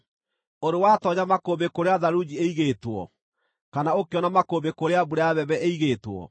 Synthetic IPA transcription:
oɾewatɔɲamakobekoɾeaðaɾud͡ʑieiɣetwɔ̰ | kanaokeɔnamakoːmbekoɾeaβuɾeaβɛβɛeiɣeːtwɔ̰

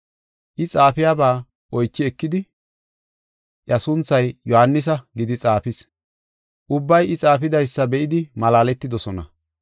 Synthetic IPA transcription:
ʔɪt͡sʼaːfɪjaːbaː | ʔɔjt͡ʃːɪɛkːɪd̪ɪ | ʔjɐsʊnt͡sːɐjjɔhanːɪs̬ɐɡɪd̪ɪt͡sʼaːfɪs | ʔʊbːɐjɪt͡sʼaːfɪd̪ɐjsːɐbɛʔɪd̪ɪmɐlaːlɛt̪ːɪd̪ɔsɔnɐ̰

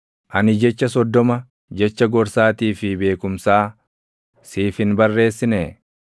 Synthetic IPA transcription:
ʔɐnɪd͡ʒɛt͡ʃːɐs̬ɔd̪ːɔmɐ | d͡ʒɛt͡ʃːɐɡɔɾsaːt̪iːfɪbe̞ːkʊmsaː | siːfɪnbɐrːe̞ːsːɪne

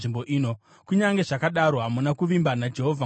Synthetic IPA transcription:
ʐimbo̞ʔiːno | kuɲaŋɡe̞ʐakaɗaɾo̞ɦamunakuʋimbanad͡ʒe̞ɦovʱa

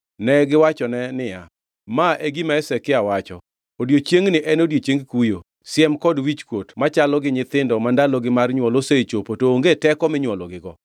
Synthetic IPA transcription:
nɛɡɪwat͡ʃɔnɛnɪja̰ | maʔeɡimaɛsɛkɪawat͡ʃɔ̰ | odjot͡ʃjeŋnɪʔɛnodjot͡ʃeŋɡkujo | sjɛmkɔdwit͡ʃkwotmat͡ʃalɔɡɪɲɪt̪ɪndɔmandalɔɡɪmarɲwɔloset͡ʃopotoːŋɡetɛkɔmɪɲwɔlɔɡɪɡɔ

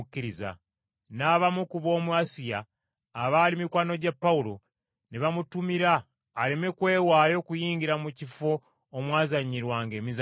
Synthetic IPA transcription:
kːiɾiza̰ | naːβamukuβo̞ːmuasijaː | βaːlimikwaːno̞ɟapːaulo̞ | neβamutumiɾaː | leme̞kwe̞ːwaːjo̞kujiːɲɟiɾamucifo̞ː | mwaːzaɲiɾwaːŋɡe̞ːmiz

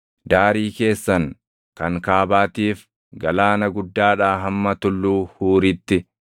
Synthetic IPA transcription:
d̪aːɾiːke̞ːsːɐŋ | kɐŋkaːbaːt̪iːf | ɡɐlaːnɐɡʊd̪ːaːᶑaːɦɐmːɐt̪ʊlːuːhuːɾɪt̪ːɪ

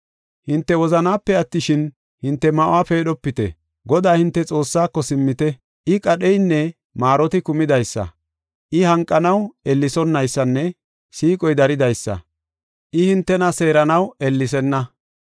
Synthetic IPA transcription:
hɪnt̪ːɛwɔzɐnaːpːɛɐt̪ːɪʃɪn | hɪnt̪ːɛmɐʔʊaːpe̞ːɗɔpːɪt̪ɛ̰ | ɡɔd̪aːhɪnt̪ːɛt͡sʼo̞ːsːaːkːɔsɪmːɪt̪ɛ | ʔɪkʼɐɗɛjnːɛ | maːɾɔt̪ɪkʊmɪd̪ɐjsːɐ̰ | ʔɪhɐŋkʼːɐnɐwɛlːɪsɔnːɐjsːɐnːɛ | siːkʼɔjd̪ɐɾɪd̪ɐjsːɐ̰ | ʔɪhɪnt̪ːɛnɐse̞ːɾɐnɐwɛlːɪs̬ɛnːɐ

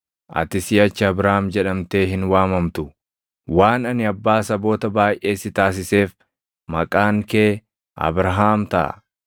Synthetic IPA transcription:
ʔɐ̰t̪ɪsɪːɐt͡ʃːɪɐbɾɐamd͡ʒɛᶑɐmt̪e̞ːɦɪnwaːmɐmt̪ʊ | waːnɐnɪɐbːaːsɐbo̞ːt̪ɐbaːjʔe̞ːsɪt̪aːs̬ɪse̞ːf | mɐkʼaːŋkeː | ɐ̰bɾɐɦaːmt̪ɐ̰ʔɐ̰

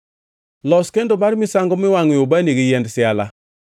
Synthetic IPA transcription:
lɔskendomaɾmisaŋɡumiwaŋjobaniɡijɛndsiala̰

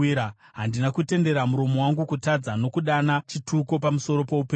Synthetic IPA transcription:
ia | ɦandinakute̞nde̞ɾamuɾo̞mo̞waŋɡukutad͡zano̞kuɗanat͡ʃitʰukopamuso̞ɾo̞po̞upeː

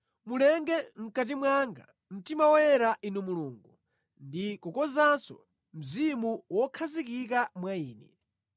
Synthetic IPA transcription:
mulɛŋɡɛm̩kat̬imwaŋɡa | m̩timawɔjɛɾaʔinumuluːŋɡu | ndikɔkɔzansɔ̰ | m̩zimuwɔkʰazikik̬amwaiːnɛ

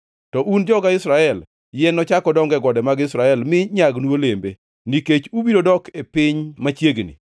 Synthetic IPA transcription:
tɔʔund͡ʒɔɡaɪsɾaɛl | jɛnːɔt͡ʃakɔdɔŋɡɛɡɔdɛmaɡɪsɾaɛlmɪɲaɡnuolembe | niket͡ʃubiɾodɔkʰepɪɲmat͡ʃjeɡnḭ

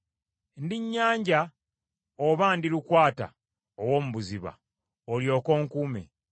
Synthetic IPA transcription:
ndiɲːaːɲɟa | oβandilukwaːta̰ | owo̞ːmuβuziβa̰ | oljo̞ːko̞ːŋkuːmḛ

